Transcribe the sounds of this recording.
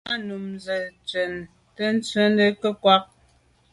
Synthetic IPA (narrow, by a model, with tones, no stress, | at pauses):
nu˨mzə˨t͡sɥə˨n | tə˦n̩˦t͡sɥə˦ndə˦kə˦kwa˦k̚